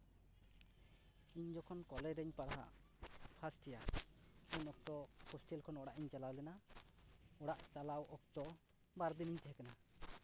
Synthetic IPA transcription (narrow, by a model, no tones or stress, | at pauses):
iɲd͡ʒɔkʰɔnkɔlɛɾɛɲpaɽaɦa̰ | pʰasʈɛja | iɲɔk̚t̪ɔhɔsʈɛlkʰɔnɔɽaʔiɲt͡ʃalawlɛna | ɔɽaʔt͡ʃalawɔk̚t̪ɔ | baɾd̪iniɲt̪ɛɦɛkana